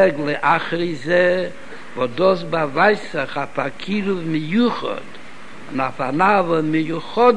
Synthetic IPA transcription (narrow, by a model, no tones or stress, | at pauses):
ɛɡlˠɪʔaχɾizɛ | vɔdɔs̬bavaɪsɪχafakʰiɾʊvmɪjuχɔ̰d̥ | ʊnafanavəmɪjuχɔd